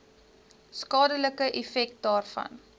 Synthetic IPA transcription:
skɑːdələkəʔɛfɛk̚t̚dɑːrfɐ̰n

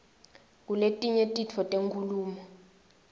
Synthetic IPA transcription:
k̬uletʼiɲetʼit͡fʰɔtʼeŋkʰuluːmɔ

